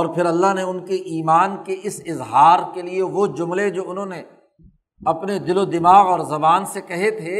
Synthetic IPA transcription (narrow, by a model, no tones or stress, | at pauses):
ɔːɾpʰɪɾɐlːaɦneʊnkeʔiːmaːnkeʔɪsɪzɦaːɾkelieʋod͡ʒʊmled͡ʒoːʊnɦõːne | ɐpned̪ɪlod̪ɪmaːɣɔːɾzɐbaːnsekɐɦet̪ʰeː